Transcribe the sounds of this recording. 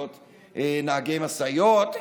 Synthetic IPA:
t̪ | enaaɡejmasajot̪

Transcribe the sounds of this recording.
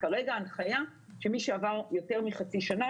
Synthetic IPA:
kaʁeɡaːnχaja | ʃemiʃeavaʁjo̞te̞ʁmiχat͡siʃana

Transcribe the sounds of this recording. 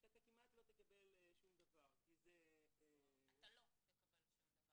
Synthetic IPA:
kiak̪akimat̪lo̞t̪ekabelʃumd̪ɐvaʁkizee | k

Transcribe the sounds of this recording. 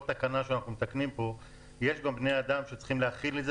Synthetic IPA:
t̪akanaʃeanaχnumet̪aknimpo̞ | jeʃɡambne̞jad̪amʃet͡sχimleaχilez

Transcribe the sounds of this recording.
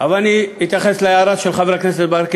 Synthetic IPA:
avalaniit̪jaχesleeaɾat̪ʃelχaveɾaknes̬et̪̚beaɾk

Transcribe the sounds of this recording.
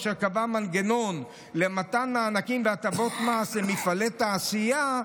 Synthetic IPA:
ʃekavamanɡeno̞n | lematanmaːnakimveatavo̞t̪masemifalet̪aːsija

